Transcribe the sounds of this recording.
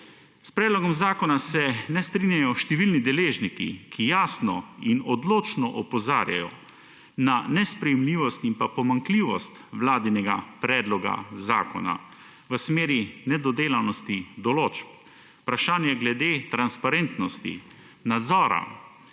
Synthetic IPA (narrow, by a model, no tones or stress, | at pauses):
spɾɛːd̪lɔɡɔmzaːkɔnasɛnɛst̪ɾinjajɔʃt̪ɛʋilnid̪ɛleːʒnikḭkʰijaːsnɔinɔd̪loːt͡ʃnɔʔɔpɔzaːɾja̰jɔ̰ | nanɛspɾɛjɛmliːʋɔst̪impapɔmaŋkliːʋɔst̪ʋlaːd̪inɛɡa̰pɾɛːd̪lɔɡa̰zaːkɔ̰na̰ | ʋəsmeːɾinɛd̪ɔd̪eːlawnɔst̪id̪ɔloːt͡ʃp | pɾaʃaːnjaɡlɛd̪eːt̪ɾanspaɾent̪nɔst̪ḭ | nad̪zɔːɾa̰